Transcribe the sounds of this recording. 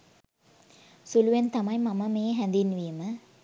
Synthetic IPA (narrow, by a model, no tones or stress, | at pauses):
suluʋent̪amɐjmɐməmeːɦænd̪inʋijəmə